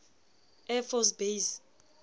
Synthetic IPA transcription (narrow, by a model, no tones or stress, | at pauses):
ɛfɔs̬bejs